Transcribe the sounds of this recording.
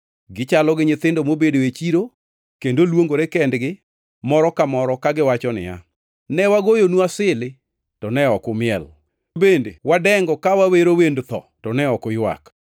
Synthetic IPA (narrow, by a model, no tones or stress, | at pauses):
ɡɪt͡ʃalɔɡɪɲɪt̪ɪndomobedoet͡ʃiɾo | kendolwoŋɡoɾekɛndɡɪ | mɔɾɔkamɔɾɔkaɡɪwat͡ʃɔnɪ̰a̰ | nɛwaɡojonuasɪlɪ | tɔnɛɔkʊmɪɛl | bendḛwadɛŋɡɔkawaweɾowendt̪ɔ̰tɔnɛɔkʊjwa̰k